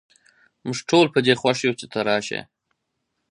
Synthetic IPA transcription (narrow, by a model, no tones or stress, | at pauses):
mʊʒʈʰolpəd̪exwaʃjut͡ʃet̪ʰaɾɑʃḛ